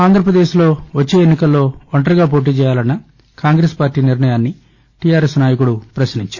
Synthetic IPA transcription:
aːnd̪ʱɾɐpɾɐd̪eːʃlo̞ːʋɐt͡ʃːe̞ːenːikɐlːo̞ːɐɳʈɐɾɐɡaːp̬o̞ːʈ̬iːt͡ʃɛːjaːlɐnːɐ | kaːŋɡɾeːspaːɾʈːiːniɾɳɐjaːnːi | ʈijaːɾeːsnaːjɐkuɽupɾɐsɐniɲt͡ʃaːɾ

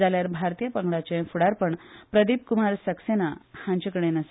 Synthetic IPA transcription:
aljaɾbʱaɾt̪ijəpəŋɡɭat͡ɕẽfuɽaɾpəɳpɾəd̪iːp̚kumaɾsəksenahãɲt͡ɕəkəɽ̃enəs

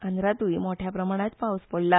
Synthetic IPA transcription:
and̪ɾat̪uimoʈʰjapɾəmaɽ̃at̪pawuspoɽla

